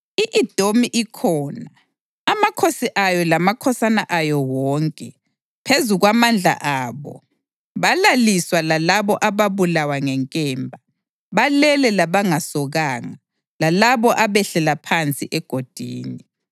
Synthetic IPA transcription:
iʔid̥ʱomiʔikʰɔːnaː | makʰosiʔajɔlamakʰɔsanaʔajɔwɔːŋkʼɛ | pʰezuɣwamand͡ɮʱa̰ʔaːβɔ̰ | βalaliswalalaβɔʔaβaβulawaŋɛŋkʼɛːmbʱa | βalɛlɛlaβaŋasɔɣaːŋa | lalaβɔʔaβɛɬɛlapʰant͡sʼiʔɛɡ̥ʱod̥ʱiːni

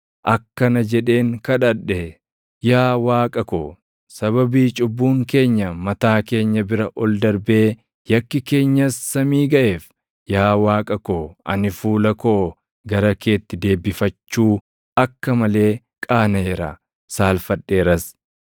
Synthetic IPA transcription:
ʔɐkːɐnɐd͡ʒɛᶑe̞ːŋkɐᶑɐᶑːɛ | jaːwaːkʼɐko | sɐβɐbiːt͡ʃʼʊbːuːŋke̞ːɲːɐmɐt̪aːke̞ːɲːɐbɪɾɐʔɔld̪ɐɾbe̞ː | jɐkːɪke̞ːɲːɐsːɐmiːɡɐʔeːf | jaːwaːkʼɐkoʔɐ̰nɪfuːlɐko | ɡɐɾɐke̞ːt̪ːɪd̪e̞ːbɪfɐt͡ʃːuː | ʔɐkːɐmɐle̞ː | kʼaːnɐɛɾɐ̰ | saːlfɐᶑːe̞ːɾɐs

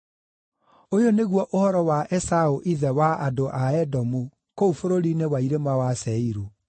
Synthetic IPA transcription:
ojoneɣwɔʔohɔɾɔwaʔɛsaoʔiðɛwaadoʔaɛdɔmu | koufoɾoɾinewaiɾemawasɛiɾu

